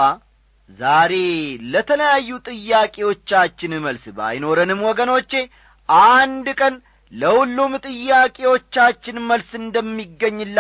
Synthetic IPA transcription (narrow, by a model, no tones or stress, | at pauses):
a | zaɾe̞lət̪ʰələjajːut̪ʼɨjːakʼe̞wo̞t͡ʃːat͡ʃːɪnɨməlsba̰jno̞ɾənɨmwɔɡəno̞t͡ʃːe̞ | ʔand̪kʼən | ləhulːumt̪ʼɨjːakʼe̞wo̞t͡ʃːat͡ʃːɪnməlsɨnd̪əmːiɡːəɲːɨlː